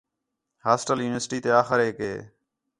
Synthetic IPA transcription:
haːsʈəljuːnɪʋəɾsʈiːt̪eːaːxəɾɦeːkɦeː

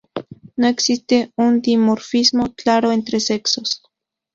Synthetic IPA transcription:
noeksist̪eund̪imoɾfismokaɾoent̪ɾeseksos

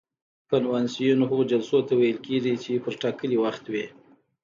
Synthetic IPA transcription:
kanwansijunoɦaɣod͡ʒalsot̪awajəlkeʐit͡ʃepəɾʈɑkəliwaxt̪we

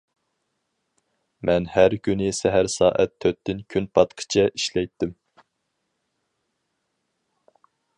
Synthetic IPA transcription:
mɛnhæɾkʲynɪsɛɦæɾsɑːʔɛ̰t̪ʰːøt̪ːɪnkʲʰynpʰɑt̪qʰə̥t͡ʃʰɛʔiʃlɛjt̪ːɪm

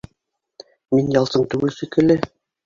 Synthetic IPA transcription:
minjɑlˠsɤɴt̪ʉɡɘlsɘkɘ̆lɘ

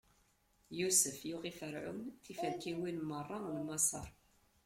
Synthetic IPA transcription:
jusəfjuʁifəɾʕʊ̰nθifæɾkːiwinmərˤːɑlmɑsˤə̰ɾˤ

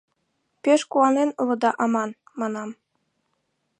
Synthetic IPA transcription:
pʲeʃkuwɑnenɤ̆lˠɤ̆d̪ɑʔɑmɑn | mɑnɑm

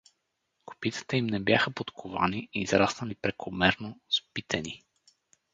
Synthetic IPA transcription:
ko̥pit̪ə̥t̪ɛimnɛbjaxəpot̪kʰʊva̰niːzɾasnɐlipɾɛkʰomɛɾnospit̪ʰɛni

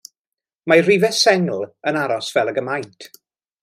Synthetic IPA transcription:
marivɛsɛŋlˠənaɾɔsv̥ɛlˠəɡəmajntʰ

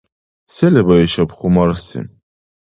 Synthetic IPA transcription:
sɛlɛbaɛʃapχumaɾst̪ʰḭn

